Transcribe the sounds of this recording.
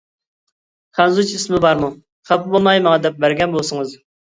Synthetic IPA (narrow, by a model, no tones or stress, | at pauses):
χʰænzut͡ʃʰismɪbɑɾmu | χæpʊbolˠmɑjmɑŋd̪ɛp̚bæɾɡʲɛnbolˠsɨŋɨz